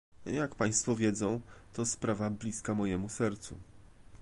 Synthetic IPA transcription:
jakpaj̃st̪fɔvʲjɛd̪zɔ̃w̃t̪ɔspɾavablʲiskamɔjɛmusɛɾt̪sṵ

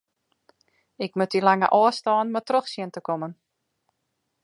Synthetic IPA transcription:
ɪkmøtilaŋə̰ʔɔəstɔːnmatroxsjɪntəkomən

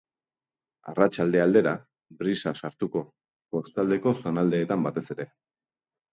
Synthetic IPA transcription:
a̰rat͡ʃald̪e̞ald̪e̞ɾa | bɾisasaɾt̪uko̞ | po̞st̪ald̪e̞ko̞so̞nald̪e̞ːt̪ambat̪e̞se̞ɾe̞

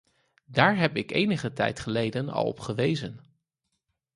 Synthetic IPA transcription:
daːɹɦɛpɪkejnəχətɛ̰jtχəlejdənɑ̰lˠɔ̰pχəʋejzən

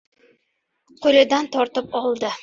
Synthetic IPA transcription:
qʰolʲad̪ant̪ʰɒɾt̪ɪpɒlˠd̪ɪ

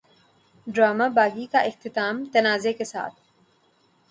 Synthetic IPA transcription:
ɖɾaːmabaːɡikaʔɪxt̪ɪt̪aːmt̪ɐnaːzekesa̰ːt̪̚ʰ

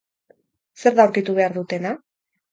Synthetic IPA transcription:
se̞ɾðauwɾkit̪uβ̞e̞aɾðut̪e̞na

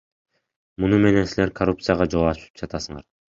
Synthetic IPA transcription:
munume̞ne̞nsile̞ɾkʰorup̚t̪sɨjaʁɑd͡ʒo̞lˠɑʃy̥t̪y̥p̚d͡ʒɑt̪ɑsɯɴɑ̰ɾ

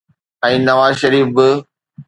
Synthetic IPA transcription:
ɛ̃ːnɐʋaːzʃɐɾiːfɪ

